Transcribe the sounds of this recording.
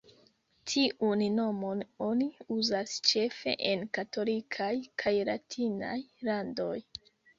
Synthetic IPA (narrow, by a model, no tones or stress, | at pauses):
tʰiʔunno̞mo̞no̞niuzast͡ʃe̞fe̞̰ʔenkato̞likʰajkʰajlatʰina̰jlando̞j